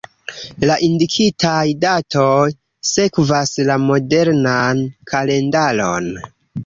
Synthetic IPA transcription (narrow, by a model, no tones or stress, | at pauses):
laʔindikʰitʰajdato̞j | se̞kvaslamo̞de̞ɾnankʰale̞ndalo̞̰n